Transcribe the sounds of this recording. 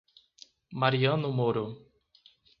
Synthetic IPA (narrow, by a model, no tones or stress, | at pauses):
maɾiɐ̃nʊmoɾo